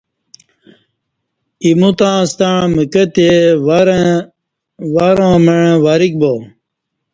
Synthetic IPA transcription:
imut̪ãːst̪aɻməkət̪eɾ | ʋaɾãːmeɻ̃waɾik̚bo

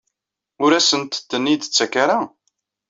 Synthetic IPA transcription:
ʊɾæsənt̪t̪ːənːid̪t͡sːækːaɾa

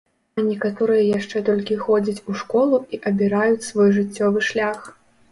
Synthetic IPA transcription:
ɐnʲɛkat̪ɔɾɨjɐjaʂt͡ʂɛt̪ɔlʲkʲixɔd͡zʲɐt͡sʲuʂkɔlˠuiʔɐbʲiɾajut͡sʲsvɔjʐɨt͡sʲːɔvɨʂlʲax

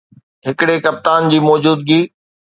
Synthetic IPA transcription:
ɦɪkɪɽekɐp̚t̪aːnd͡ʑiːmɔːd͡ʑuːd̪ɡiː

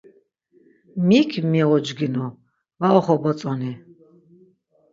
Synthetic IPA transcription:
mikʰmiɔd͡ʒɡinɔ | vaɔχɔbɔt͡sʼɔni

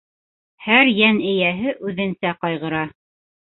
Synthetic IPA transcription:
hæɾjænɘ̆jæɦɘʔʉðɘ̆nsæqɑjʁɤ̆ɾɑ

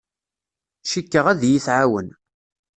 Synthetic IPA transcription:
ʃikːəʁæðjiθʕawən

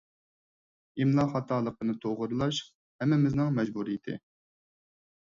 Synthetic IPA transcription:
imlˠɑχɑt̪ʰɑːlˠəqənɨt̪ʰoʁʊɾɨlˠɑʃ | hɛmːɪmɪznɨŋmɛd͡ʒbuɾijɪt̪ʰɪ̰

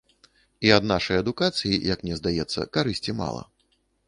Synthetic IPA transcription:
iɐd̪naʂɐjɐd̪ukat̪sɨjijɐknʲɛzd̪ajɛt̪sːɐ̰kaɾɨsʲt͡sʲima̰lˠɐ̰

